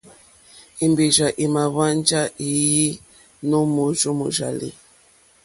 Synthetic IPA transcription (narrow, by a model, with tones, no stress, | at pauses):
i˨mbi˨ʒa˨ʔi˨ma˨βa˦nd͡ʒa˦ʔi˨ji˦ | no˦mo˨ʒu˦mṵ˨ʒa̰˨lḭ˦